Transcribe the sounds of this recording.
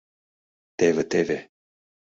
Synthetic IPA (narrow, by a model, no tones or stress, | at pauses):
t̪evət̪eve